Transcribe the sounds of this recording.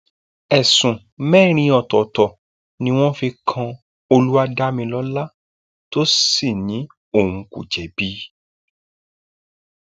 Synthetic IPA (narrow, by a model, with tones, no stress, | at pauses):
ɛ˨sũ˨ | mɛː˦˨ɾ̃ĩ˧ɔ˨tɔ˨tɔ˨ | nĩ˧w̃ɔ̃˦fi˧kʰã˧ | o˧lu˦a˧da˦mĩ˧lɔ˦la˦ | to˦si˦˨nĩ˨˦ | o˦˨wũ˨kṵ˨d͡ʒɛ˨˦b̥i˦